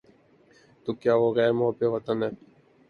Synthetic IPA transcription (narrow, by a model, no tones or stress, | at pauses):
t̪ukjaːʋoːɣɛːɾmʊɦəbeʋɐt̪ənɛː